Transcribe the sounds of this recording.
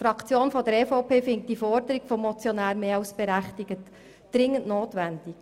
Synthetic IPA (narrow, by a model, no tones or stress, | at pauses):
fɾɑkt͡sjoːnfɔdəɾeːfoʊpʰeːfɪŋt̚d̥ifɔɾdəɾiɡ̥fɔmːɔt͡sjɔnæːɾmeːɑʊsb̥ɛɾæχtɪɡət | d̥ɾɪŋːəntnoːtʋænd̥ɪk